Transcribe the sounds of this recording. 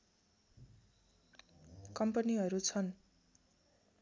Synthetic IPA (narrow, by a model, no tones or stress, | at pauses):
kʌmpʌniɦʌɾut͡sʰʌn